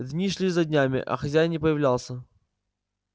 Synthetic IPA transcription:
d̪ʲnʲiʂlʲizɐdʲnʲamʲɪ̰ʔɐ̰xɐzʲæjnʲɪpəjɪvlʲalˠsʲə

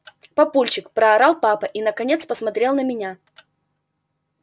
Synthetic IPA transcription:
pɐpulʲt͡ɕɪkpɾəɐɾalˠpapəʔinəkɐnʲe̞t̪spəsmɐt̪ɾʲe̞lˠnəmʲɪnʲa

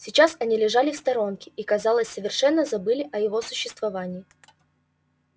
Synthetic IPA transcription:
sʲɪt͡ɕasɐnʲilʲɪʐalʲɪfst̪ɐɾo̞nkʲɪ̥ʔikɐzɑlˠəsʲsəvʲɪrʂɛnːəzɐbɨlʲɪʔɐjɪvo̞sʊɕːɪst̪vɐvanʲɪː

